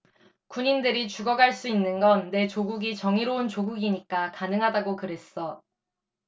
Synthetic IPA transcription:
kuɲindɯɾit͡ɕuɡʌɡaɭs͈uinːɯnɡʌnːe̞t͡ɕoɡuɡit͡ɕʌŋiɾount͡ɕoɡuɡiɲik͈akanɯŋɦadaɡokɯɾe̞s͈ʌ

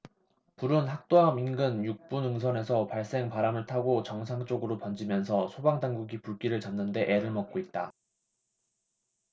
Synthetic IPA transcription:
puɾunɦak̚t͈oaminɡɯnjuk̚p͈unɯŋsʰʌne̞sʰʌpaɭs͈e̞ŋpaɾamɯɭtʰaɡot͡ɕʌŋsʰaŋt͡ɕ͈oɡɯɾopʌnd͡ʑimjʌnsʰʌsʰobaŋdaŋɡuɡipuɭk͈iɾɯɭt͡ɕamnɯnde̞ʔe̞ɾɯɭmʌk̚k͈oit̚t͈a

